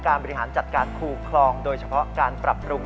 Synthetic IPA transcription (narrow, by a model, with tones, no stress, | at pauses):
kaː˧nbɔ˧ɾi˧ɦaː˩˦nt͡ɕa˨˩t̪̚kaː˧nkʰuː˧˩kʰlɔː˧ŋdoː˧jt͡ɕʰa˧pʰɔ˦˥kaː˧npɾa˨˩pːɾuː˧ŋ